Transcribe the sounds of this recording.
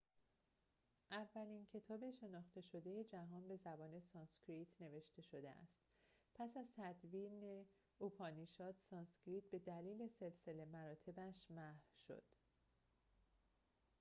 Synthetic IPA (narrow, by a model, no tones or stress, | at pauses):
ʔævːæliːncʰe̞t̪ʰɒːbe̞ʃe̞nɒːχt̪e̞ʃo̞d̪e̞je̞d͡ʒæɦɒːnbe̞zæbɒːne̞sɒːnskʰɾiːt̪ʰne̞ve̞ʃt̪e̞ʃo̞d̪ḛʔæ̰st̪ | pʰæsæzt̪ʰæd̪viːne | upʰɒːniʃɒːt̪sɒːnskɾiːt̪̚be̞d̪æliːle̞se̞lse̞le̞mæɾɒːt̪ʰe̞bæʃmæhʃo̞̰d̪̥